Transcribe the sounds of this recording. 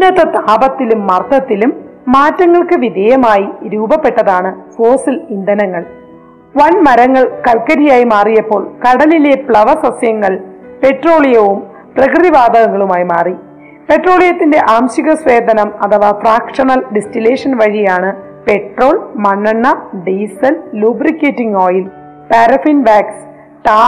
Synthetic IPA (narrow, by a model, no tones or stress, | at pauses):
nɐt̪ːɐt̪aːbɐt̪ːilumːɐrt̪ɐt̪ːilumːaːtːɐŋːɐɭkɨʋid̪ʱejɐmaːjiɾuːbɐpːe̞ʈːɐðaːɳɨsoːsɐlind̪ɐnɐŋːɐɭ | ʋɐnmɐɾɐŋːɐɭkɐlkɐɾijaːjimaːrijɐpːo̞ːɭkɐɽɐlilepɭɐʋɐsɐsjɐŋːɐɭpe̞ʈro̞ːɭijɐʋum | prɐkrɨðiʋaːd̪ʱɐɣɐŋːɐɭumaːjimaːri | pe̞ʈro̞ːɭijɐt̪ːinde̞ʔaːmɕiɣɐsʋeːd̪ʱɐnɐmɐt̪ɐʋaːfraːkʂɐnɐlɖestileːʂɐnʋɐɻijaːɳɨ | pe̞ʈro̞ːɭmɐɳːɐɳːɐɖiːsɐlluːbrikːeːtːiŋoːjil | paːɾɐfinʋaːks | ʈaː